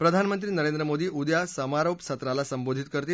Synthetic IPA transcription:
pɾəd̪ʱanmənt̪ɾiːnəɾend̪ɾəmod̪iːud̪jasəmaɾopsʰət̪ɾalasəmbod̪ʱit̪kəɾt̪iː

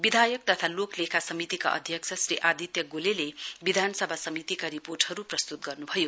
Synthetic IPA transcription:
bid̪ʱajʌk̚t̪ʌt̪ʰaloklekʰasʌmit̪ika̰ʔʌ̰d̪ʱjʌk̚t͡sʰʌsriʔad̪ʱit̪jʌɡolelebid̪ʱanʌsʌbʱasʌmit̪ikaɾiporʈhʌɾuprʌst̪ut̪̚ɡʌrnubʱʌjo

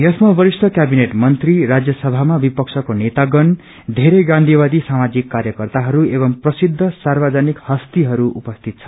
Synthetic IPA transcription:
jʌsmabʌɾistʌkjabineʈmʌnt̪riɾad͡zjʌsʌbʱamabipʌksʰʌkonet̪aɡʌn | d̪ʱeɾeɡãnd̪ʱibad̪isamad͡zikːaɾjʌkʌrt̪aɦʌɾuebʌmprʌsid̪ʱːʌsarbʌd͡zanikhʌst̪iɦʌɾuʔṵpʌst̪ʰit̪̚t͡sʰʌ̥

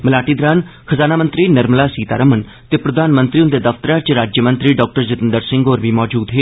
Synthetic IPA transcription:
məlaːʈiːd̪ɾaːnkʰəzaːnaːmənt̪ɾiːnəɾmlaːsiːt̪aːɾəmən | t̪eːpɾəd̪ʱaːnmənt̪ɾiːʊnd̪eːd̪əft̪əɾaːt͡ʃɾaːd͡ʒjəmənt̪ɾiːɖɔːk̚ʈəɾd͡ʒət̪ənd̪əɾsɪ̃ŋɡoːɾʋiːmɔːd͡ʒuːd̪ɦeː

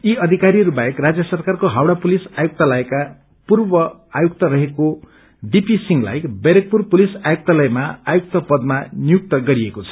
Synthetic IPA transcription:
iʌd̪ʱikaɾiʌɾubaekrad͡zjʌsʌrkarkoɦawɽapulisajuk̚t̪alʌeka | purbʌ | ajukt̪ʌɾʌɦeko | ɖipisiŋɡla̰jbeɾek̚purpulisajuk̚t̪alʌjmaajuk̚t̪ʌpʌd̪̚manijuk̚t̪ʌɡʌɾiekot͡sʰʌ̥

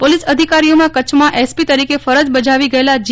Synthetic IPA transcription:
polisəd̪ʱikaɾiomãkət͡ʃʰmãʔɛspit̪əɾikefəɾəd͡ʒbəd͡ʒaʋiɡəelad͡ʒ

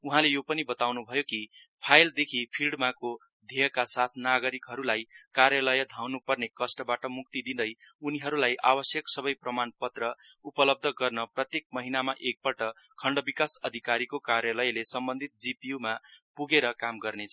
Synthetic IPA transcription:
uɦãlejopʌnibʌt̪awnubʱʌjoki | pʰajld̪ekʰipʰilɖmako | d̪ʱejʌkasat̪ʰnaɡʌɾikɦʌɾulajkaɾjalʌjʌd̪ʱawnupʌrnekʌsʈʌbaʈʌmuk̚t̪id̪ind̪ʌjuniɦʌɾulajʔa̰bʌsjʌksʌbʌjprʌmanpʌt̪rʌupʌlʌb̚d̪ʱʌɡʌrnʌprʌt̪jek̚mʌɦinamaʔek̚pʌʈʌ | kʰʌɳɖʌbikasʌd̪ʱikaɾikokarjalʌjlesʌmbʌnd̪ʱit̪̚d͡zipijumapuɡeɾʌkamɡʌrnet͡sʰʌ

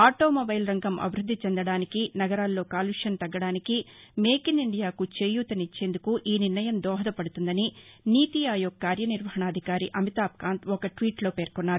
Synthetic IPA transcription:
aːʈoːmobɐjlɾɐŋɡɐmʔɐ̰bʱiɾud̪ʱːit͡ʃɛnd̪ɐɽaːnikinɐɡɐɾaːlːo̞ːkaːluʂɐnt̪ɐɡːɐɽaːniki | meːkiniɳɖijaːkut͡ʃeːjuːt̪ɐnit͡ʃːe̞ːnd̪ukuʔiːniɾnɐjɐmd̪ɔːɦɐd̪ɐpɐɽut̪und̪ɐniniːt̪iaːjoːɡ̚kːaːɾjɐniɾʋɐɦɐɳaːd̪ʱikaːɾiʔɐmit̪aːp̚kaːnt̪ɔkɐʈʋiːʈlo̞ːpeːɾkɔnːaːɾu

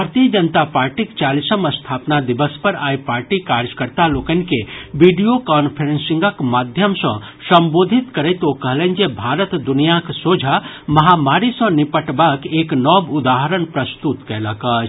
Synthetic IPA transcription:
bʱaɾt̪ijəd͡ʒənt̪apaɾʈikt͡ʃalisəməst̪ʰapnad̪ibəspəɾaipaɾʈikaɾjəkəɾt̪alokənĭkeʋiɖijokɔnpʰəɾensĩŋɡəkmad̪ʱjəmsə̃ | səmbod̪ʱit̪kəɾɛjt̪okəɦlɛnd͡ʒebʱaɾət̪d̪unijaksod͡ʒʱa | məɦamaɾisə̃nipəʈbakeknɔbud̪aɦəɾənpɾəst̪ut̪kɛləkət͡ʃ

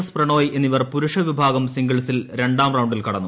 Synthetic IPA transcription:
sprɐɳoːje̞nːiʋɐrpuɾuʂɐʋibʱaːɡɐmsiŋɡɐɭsilɾe̞ɳɖaːmrɐwɳɖilkɐɽɐnːu

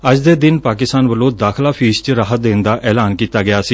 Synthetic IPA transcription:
əd͡ʒd̪eːd̪ɪnpaːkɪst̪aːnʋəlõːd̪aːkʰlaːpʰiːst͡ʃɾaːɦət̪̚d̪eːnd̪aːʔʔɛːlaːnkiːt̪aːɡɪaːsiː

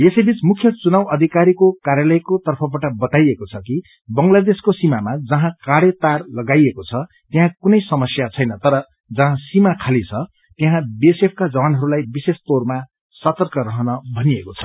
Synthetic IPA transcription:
jesʌjbit͡smukʰjʌt͡sunawʌd̪ʱikaɾikokaɾjalʌjkot̪ʌrpʰʌbaʈʌbʌt̪ajekot͡sʰʌki | bʌŋlad̪eskosimamad͡zʌɦãkaɽet̪arlʌɡajekot͡sʰʌ | t̪j̃ɦãkunʌjsʌmʌsjat͡sʰʌjnʌt̪ʌɾʌ | d͡zʌɦãsimakʰalit͡sʰʌ | t̪jẽɦãbiesepʰkad͡zʌwanɦʌɾulajbisesp̪orma | sʌt̪ʌrkʌɾʌɦʌnʌbʱʌniekot͡sʰʌ̥

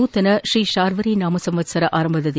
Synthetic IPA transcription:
uːt̪ːɐnɐʃɾiːʃaːɾʋɐɾinaːmɐsɐmʋɐt͡ʃsɐɾɐʔaːɾɐmbɐðɐð

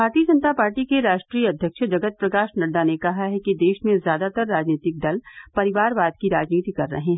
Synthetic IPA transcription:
bʱaːɾt̪iəd͡ʒɐ̃nt̪apaːɾʈikeɾaːʃʈɾiːəɐd̪ʱjəkʃd͡ʒɐɡət̪̚pɾɐkaːʃnɐɽɖ̪anekɐɦaɦɛkid̪eːʃmẽzjaːd̪at̪ɐɾːaːd͡ʒniːt̪ɪk̚d̪ɐlpɐɾɪʋaːɾbaːd̪̚kiɾaːd͡ʒniːt̪ikɐɾːɐ̰ɦẽɦɛ

